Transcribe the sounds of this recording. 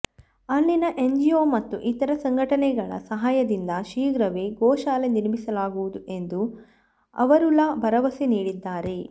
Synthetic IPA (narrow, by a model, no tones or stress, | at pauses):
ɐlːinɐʔe̞ɲd͡ʒijoːmɐt̪ːuʔit̪ɐɾɐsɐŋɡʱɐʈɐnɛɡɐɭɐ̰sɐɦaːjɐd̪ind̪ɐʃiːɡɾɐʋeɡɔːʃaːleniɾmisɐlaːɡuʋud̪uʔe̞nd̪u | ɐ̰ʋɐɾulabɐɾɐʋɐsiniːɽid̪ːaːɾe̞